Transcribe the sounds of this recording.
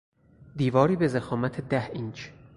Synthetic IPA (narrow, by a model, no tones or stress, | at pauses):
d̪iːvɒːɾiːbe̞zexɒːmæt̪ʰed̪æhint͡ʃ